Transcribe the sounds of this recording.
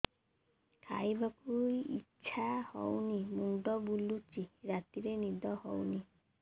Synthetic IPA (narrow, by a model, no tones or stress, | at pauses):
kʰa̰jbakujḭtːʃʰahɔ̰wnimuɳɖɔbulut͡ʃiɾat̪iɾenid̪ɔhɔwni